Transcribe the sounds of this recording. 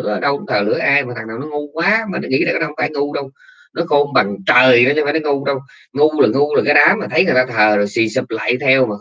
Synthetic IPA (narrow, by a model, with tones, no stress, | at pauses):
ʔəː˧˩ɗə˧wt̪ʰəː˨˩lɨ̰˧˥əʔaː˧jmaː˨˩a˨˩ŋnaː˨˩wnɔ˨˦ŋu˧kwaː˨˦maː˨˩nɔ˨˦ŋḭ˧˥laː˨˩kːhə˧ŋ͡mfaː˧˦jŋu˧ɗə˧w | nɔ˨˦xo˧mɓa˨˩ŋt͡ɕəː˨˩jn˨˦ɲɛ˧faː˧˦nɔ˨˦ŋu˧ɗə˧w | ŋu˧ləː˨˩ŋu˧la˨˩kaː˨˦jɗaː˨˦maː˨˩t̪ʰə˨˦jkə˨˩t̪aː˧t̪ʰəː˨˩zo˨˩jsi˧˩sɨ˨˩p̚la̰ː˧˨jt̪ʰɛ˧wmaː˨˩